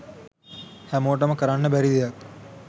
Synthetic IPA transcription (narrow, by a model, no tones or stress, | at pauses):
hæmoːʈ̬əməkəɾanːəbæɾid̪ijak